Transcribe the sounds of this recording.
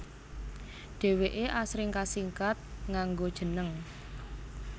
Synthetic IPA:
ɖ̥e̤weʔeʔasɾɪŋkasiŋkat̪̚ŋaŋɡod̥ʒ̥ə̤nəŋ

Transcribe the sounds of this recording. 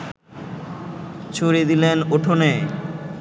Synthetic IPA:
t͡ɕʰoɾid̪ilenoʈʰone

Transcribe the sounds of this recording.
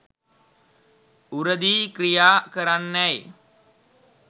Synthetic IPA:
uɾəd̪iːkɾijaːkəɾanːæj

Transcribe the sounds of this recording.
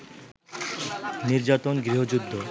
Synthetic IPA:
niɾd͡ʑat̪onɡɾiɦod͡ʑud̪ʱːo

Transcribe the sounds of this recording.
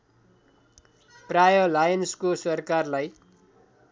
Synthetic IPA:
prajʌlajʌnskosʌrkarlaj

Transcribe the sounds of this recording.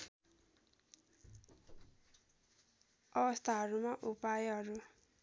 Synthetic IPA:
ʌbʌst̪ʰaɦʌɾumaʔupajɦʌɾu

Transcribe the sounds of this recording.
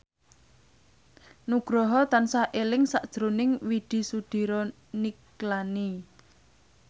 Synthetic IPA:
nuɡ̥ɾɔɦɔt̪ansaʔelɪŋsaʔd̥ʒ̥ɾunɪŋwiɖ̪̥i̤sud̪̥i̤ɾɔ | niklani

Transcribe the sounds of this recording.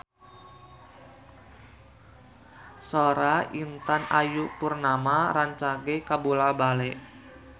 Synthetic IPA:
soɾaint̪anajupurnamaɾaɲt͡ʃaɡekabulabalɛʔ

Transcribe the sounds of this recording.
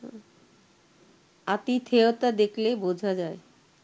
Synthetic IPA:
at̪it̪ʰeot̪ad̪eklebod͡ʑʱad͡ʑae

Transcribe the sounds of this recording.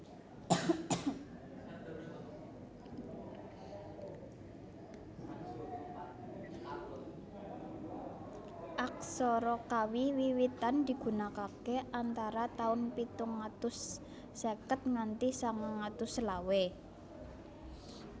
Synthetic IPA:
ʔak̚sɔɾɔkawiwiwit̪and̪̥i̤ɡ̥ṳnakakeant̪aɾat̪aʊnpit̪ʊŋːat̪ʊsː | ekət̪̚ŋant̪isaŋŋat̪ʊslawe

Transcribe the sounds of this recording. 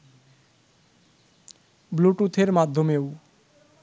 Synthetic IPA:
bluʈut̪ʰeɾmad̪ʱːomew

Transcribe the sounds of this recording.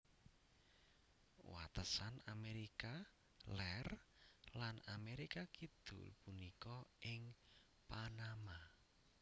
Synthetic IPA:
wa̰t̪əsanameɾika | lɛrlanameɾikakid̪̥ʊ̰lpunikɔʔɪŋ | panama

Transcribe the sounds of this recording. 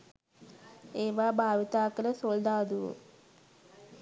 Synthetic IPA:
eːʋaːbʱaːʋit̪aːkɐləsold̪aːd̪uʋṵ

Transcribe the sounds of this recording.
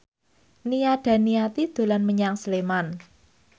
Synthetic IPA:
nijaɖ̥a̤niat̪id̪̥o̤lanməɲaŋsəleman

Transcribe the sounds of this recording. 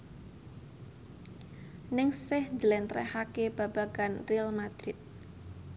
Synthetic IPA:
nɪŋsɪhd͡ʒəlɛnt̪ɾɛ̰hakeb̥ab̥aɡ̥anrialmad̪̥ɾɪt̪̚

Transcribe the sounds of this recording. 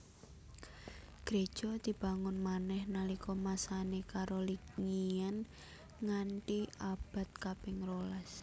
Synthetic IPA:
ɡ̥ɾe̥ʒ̥ɔ̤d̪̥i̤b̥a̤ŋʊnmanɛhnalikɔmasanekaɾoliŋian | ŋaɳʈiab̥a̤t̪̚kapɪŋrolas

